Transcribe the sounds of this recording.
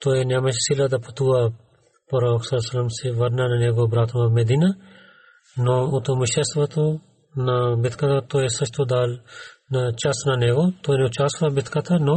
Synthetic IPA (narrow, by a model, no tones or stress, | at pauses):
t̪oenamɐt͡ʃsilɐd̪ɐpʰɐt̪ua | pɐɾoːksɐlsɐlɐmsiʋɐɾnɐnɐneːɡobɾaːt̪ʰmɐmed̪iːna | nout̪omuʃesʋɐt̪ʰo | nɐbit̪ʰkɐt̪ʰat̪oːesɐt͡ʃʰt̪od̪aːlnɐt͡ʃɐsnɐneːɡot̪oːnet͡ʃaːsʋɐbit̪ʰkɐt̪ʰano